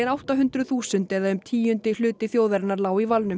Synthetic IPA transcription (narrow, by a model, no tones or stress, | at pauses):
ɛnawht̪aɦʏnt̪ɾʏθuːsʏnt̪ɛðaʏmt̪ʰiːjʏnt̪ɪlʏːt̪ɪθjoːwðɛɾnaɾlaːwivalnʏ